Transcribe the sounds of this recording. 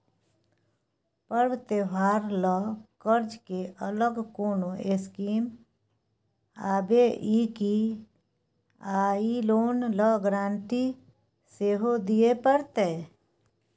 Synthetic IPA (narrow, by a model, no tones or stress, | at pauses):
pəɾwt̪eʋaːɾləkəɾd͡ʒkeʔələɡkoːnoʔeskiːm | aːbeʔiki | aːiloːnləɡɾãːnʈ̪i | seːɦod̪ijepəɾt̪eː